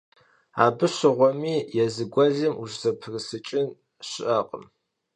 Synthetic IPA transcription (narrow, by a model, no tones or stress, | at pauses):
aːbɨɕɪʁʷɔmiːjɛzɨɡʷɐɮɪmuʒzɐpʰrɨsɨt͡ʃʼɪn | ɕɪʔaqʼə̰m